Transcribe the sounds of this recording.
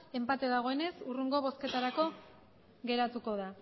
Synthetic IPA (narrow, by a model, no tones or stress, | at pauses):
e̞mpat̪e̞ðaɣ̞o̞e̞ne̞suruŋɡo̞βo̞ske̞t̪aɾako̞ | ɣe̞ɾat̪uko̞ð̞a